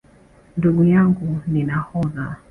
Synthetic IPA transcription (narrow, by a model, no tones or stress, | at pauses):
nduɡujaŋɡuninahɔða